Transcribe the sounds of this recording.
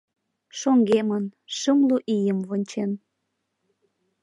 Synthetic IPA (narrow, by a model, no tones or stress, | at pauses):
ʃoŋɡemənʃəmluʔijəmβonʲt͡ɕen